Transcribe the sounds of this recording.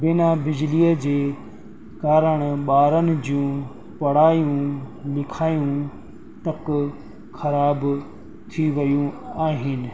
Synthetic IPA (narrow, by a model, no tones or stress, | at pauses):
bɪnabɪd͡ʑliːəd͡ʑeː | kaːɾəɽ̃ɓaːɾənɪ̆d͡ʑijũː | pɐɽ̤aːijũlɪkʰaːjũ | t̪ɐk | xɐɾaːb | t̪ʰiʋɐjũaːɦɪnɪ̆